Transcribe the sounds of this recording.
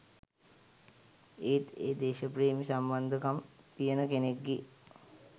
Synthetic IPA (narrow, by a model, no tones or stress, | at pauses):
et̪eːd̪eːʃəpreːmisamband̪ʱəkam | pijənəkenekːi